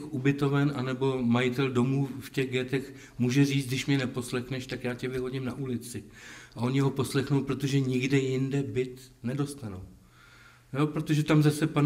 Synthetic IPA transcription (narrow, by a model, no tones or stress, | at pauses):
xʔubɪt̪o̞vɛnʔanɛbo̞majɪt̪ɛldo̞muːfcɛɣɡjɛt̪ɛx | muːʒɛriːt͡s̪dɪʃmɲɛnɛpo̞slɛxnɛʃt̪akjaːcɛvɪɦo̞ɟɪmnaʔulɪt͡sɪʔaʔo̞ɲɪɦo̞po̞slɛxnowpɾo̞t̪o̞ʒɛɲɪɡdɛjɪndɛbɪt̪nɛdo̞st̪anow | jo̞pɾot̪o̞ʒɛt̪amzasɛpan